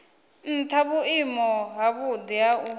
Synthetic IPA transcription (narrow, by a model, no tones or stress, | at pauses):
n̩tʰaβuimɔɦaβud̪iau